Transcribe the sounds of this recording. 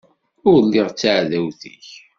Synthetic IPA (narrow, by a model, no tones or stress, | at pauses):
ʊɾlːɪʁt͡sːaʕðæwθḭç